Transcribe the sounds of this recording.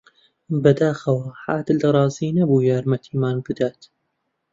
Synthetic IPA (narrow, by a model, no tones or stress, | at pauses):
bɐd̪aːxɐwɐħaːd̪ɨlɾˤɑːziːnɐbuːjaːɾmɐt̪ʰiːmaːnbɨd̪aːt̪